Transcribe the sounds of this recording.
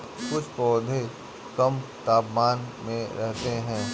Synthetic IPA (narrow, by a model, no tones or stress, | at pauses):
kʊt͡ʃʰpɔːd̪ʱe | kɐmt̪aːpmaːnmẽɾɛɦt̪eɦɛ̃ː